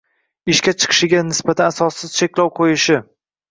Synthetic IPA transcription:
ɪʃkʲat͡ʃʰɨ̥qʰɨ̥ʃɪɡʲanɪsbat̪ʰanasɒsːɪz̥t͡ʃʰekʲlɒwqʰojɪʃɪ

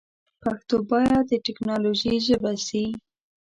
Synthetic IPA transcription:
paxt̪obɑjad̪əʈɪknɑloʒiʒəbasi

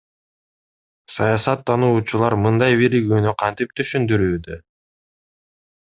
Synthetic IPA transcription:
sɑjɑsɑt̪ʰːɑnuːt͡ʃulˠɑɾmɯnd̪ɑjβiɾiɡyːnyqʰɑnt̪ip̚t̪ʰyʃynd̪yɾyːd̪ø

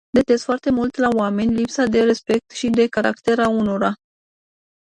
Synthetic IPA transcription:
d̪et̪e̞zfoart̪e̞mult̪laoame̞nʲlipsad̪e̞ɾe̞spe̞k̚t̪ʃid̪e̞kaɾa̰kt̪e̞ɾauno̞ɾa

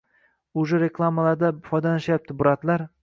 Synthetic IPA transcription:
ʊʒʊɾeklˠamalaɾd̪afɒjd̪alaʃajap̚t̪ʰɪbʊɾat̪laɾ

